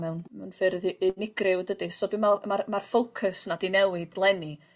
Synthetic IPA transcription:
mɛwnmɛwnfɪrðiʔːnɪɡrɪwdədɨsɔdɪmamarmarfowkʰəsnadinɛwɪd̥lˠɛni

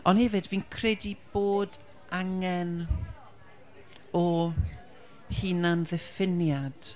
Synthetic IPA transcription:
ɔnhɛvɨdviːnkʰrɛdib̥oːd | ʔaŋɛn | ɔ | hiːnanðɛfɪnjad̥

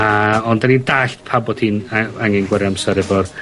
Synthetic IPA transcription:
aɔndanindaːɬtpʰabɔd̥hinaŋɛnɡwɛɾjamsɛɾɛvɔr

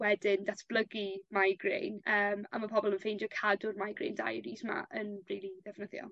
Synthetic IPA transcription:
wɛdɪndatʰb̥ləɡimajɡrḛjnəːma̰mapʰɔbɔlˠənfejndjɔkʰadʊrmajɡrḛjnda̰jɾisma̰ʔənriːlˠidɛfnəθjɔ̰

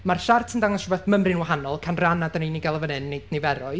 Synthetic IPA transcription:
marʃartʰəndaŋɔsrɔbɛθməmrɪnwaɦanɔlˠkʰanranadənenɪɡalˠəvənɨnːejdnejvɛɾɔɨ

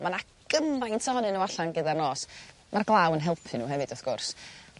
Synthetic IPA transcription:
mana | ɡ̥əmajntʰahɔnɨnowaɬanɡədarnoːs | marɡlˠaːwənɦɛlˠpʰɨnṵːɦɛvɨd̥ɔθɡ̥ʊrs

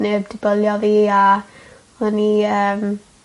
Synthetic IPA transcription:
nebdɪbəlˠjɔviːa | həniəːm

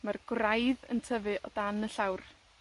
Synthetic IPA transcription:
marɡ̥rajðə̰ntʰəvɨʔɔdanəɬawr

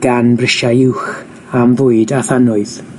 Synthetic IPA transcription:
ɡ̥anbrɪʃaɪwχ | amvʊɨdaθanʊɨð̥

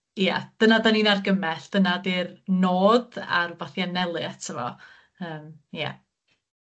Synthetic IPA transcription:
ja̰d̥ənadaniːnarɡəmɛɬd̥ənadirnoːda̰rvaθjanɛlˠɨtʰəvɔ̰ | əːmja̰

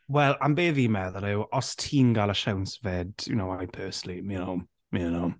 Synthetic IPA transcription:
wɛlˠambeːvimɛðənɛwʔɔstʰiːnɡalˠəʃawnsvɛdjṵnowajpʰɜːsnliminowm | minowm

